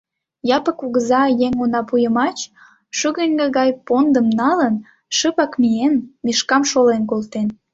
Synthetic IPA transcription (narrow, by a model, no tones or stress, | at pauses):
jɑpə̆kuɣəzɑjeŋonɑpujəmɑt͡ɕ | ʃyɣənʲɡəɣɑjpond̪əmnɑlən | ʃəpɑkmijenmiʃkɑmʃolenk̬olt̪en